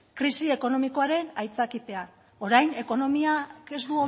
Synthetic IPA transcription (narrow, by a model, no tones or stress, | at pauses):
kɾisie̞ko̞no̞miko̞aɾe̞najt͡sakit̪e̞a | o̞ɾajne̞ko̞no̞miake̞zd̪uo